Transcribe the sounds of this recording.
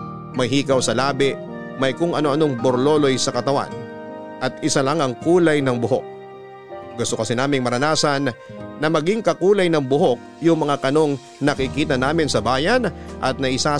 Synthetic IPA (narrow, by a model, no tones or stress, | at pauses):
mɐjɦiːkɐwsɐlaːbɪʔ | mɐjkʊŋʔɐno̞ʔɐno̞ŋboɾlo̞ːlo̞jsɐkɐt̪ɐwa̰n | ʔɐt̪̚ɪsalaŋɐŋkuːlɐjnɐŋbʊɦo̰k̚ | ɡʊst̪okɐsɛnaːmɪŋmɐɾɐnaːsɐnːɐmɐɡiŋkɐkuːlɐjnɐŋbʊɦo̞k̚jʊŋmɐŋakɐno̞ŋ | nɐkɪkiːt̪ɐnaːmɪnsɐbaːjɐnʔɐ̰t̪̚nɐʔɪsa